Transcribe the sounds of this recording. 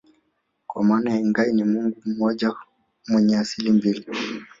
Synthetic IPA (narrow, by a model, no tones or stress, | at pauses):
kwamanahɛŋɡainimuŋɡum̩mɔʄa | mwɛɲɛasilimbili